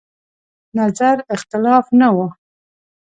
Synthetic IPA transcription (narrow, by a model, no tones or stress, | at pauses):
nazaɾɪxt̪ɪlɑfnawu